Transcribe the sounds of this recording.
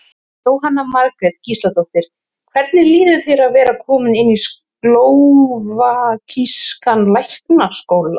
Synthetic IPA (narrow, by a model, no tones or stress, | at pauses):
t̪oːwɦanːamaɾkɾɛt̪cist̪lat̪ɔht̪ɪɾ̥ | kʰvɛɾt̪nɪliːðʏθeɾaðvɛːɾakʰɔːmʏnɪnːisklowvakʰiskanlajhknaskowla